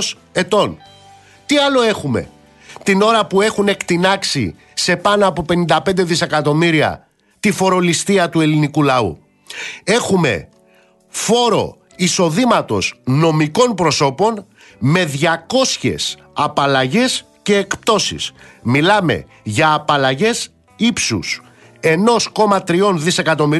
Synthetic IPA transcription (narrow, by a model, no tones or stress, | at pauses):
s | e̞t̪o̞n | t̪iɐlo̞e̞xume̞̰ | t̪ino̞ɾɐpue̞xune̞kt̪inɐksḭ | se̞pɐnoɐpo̞pe̞nind̪ɐpe̞nd̪e̞ðise̞kɐt̪o̞miɾiɐ̰ | t̪ifo̞ɾo̞list̪iɐt̪ue̞linikulɐṵ | e̞xume̞̰ | fo̞ɾo̞̰ | iso̞ðimɐt̪o̞̰zno̞miko̞npɾo̞so̞po̞n | me̞ðʝɐko̞sçe̞̰s | ɐpɐlɐʝe̞s | ce̞ːkp̚t̪o̞sḭsmilɐme̞̰ | ʝɐːpɐlɐʝe̞s | ipsṵs | e̞no̞sko̞mɐt̪ɾio̞nðise̞kɐt̪o̞mi